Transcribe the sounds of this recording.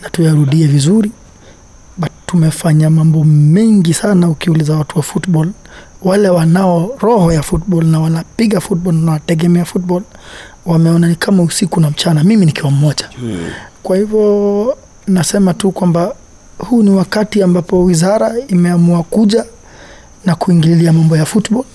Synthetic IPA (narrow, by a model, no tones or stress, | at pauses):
natujaɾuɗiɛvizuɾi | ɓatumɛfaɲamambɔmɛŋɡisanaukiulizawatuwafutɓɔl | walɛwanaɔɾɔhɔjafut̚ɓɔlnawanapiɠafut̚ɓɔlnawatɛɡɛmɛafut̚ɓɔl | wamɛɔnanikʰamausikunam̩t͡ʃanamiminikiwam̩mɔʄa | kwahivjɔ | nasɛmatukwamba | huːniwakatiambapɔwizaɾaimɛamuakuʄa | nakuiŋɡilliamambɔjafutɓɔl